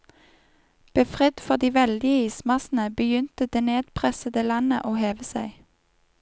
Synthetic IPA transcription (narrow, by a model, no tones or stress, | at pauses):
b̥ɛfʁɪd̪̥fɔʁd̪iːʋɛld̪ɪəiːsmɑsn̩əbəjʏnt̪əd̪eːneːd̪̥pʰʁɛsəd̪əlɑnə̰ʔoːheːʋəsæɪ